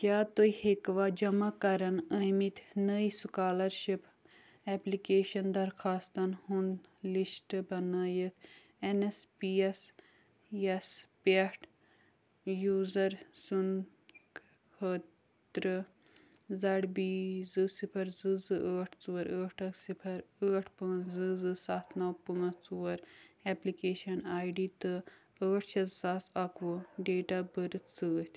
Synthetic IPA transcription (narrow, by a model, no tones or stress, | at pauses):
kʲjaːt̪ojhekʋad͡ʒɐmakɐɾɐnɐmit̪ʰnəisukaːlɐɾʃip | ɛplikeːʃɐnd̪ɐɾxʰaːst̪ɐnhunlisʈɨbɐnaːjət̪ʰ | enespies | espeʈ | juːzɐɾsun | hət̪ | ɾɨ | zɐɽbiːzɨsipʰɐɾzɨzɨʔəːʈʰt͡suwɐɾəːʈʰɐsipʰɐɾəːʈʰpɨzɨzɨsat̪ʰnɐwpɨŋɐt͡suwɐɾɛplikeːʃɐnaːjɖiːt̪ɨ | əːʈʰt͡ʃʰɐssasɐkʋɨɖeːʈaːbəɾɨt͡sɨːt̪ʰʲ